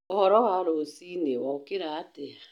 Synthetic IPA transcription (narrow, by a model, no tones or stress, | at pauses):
ɔhɔɾɔɦaaɾosinewɔkɪɾaatea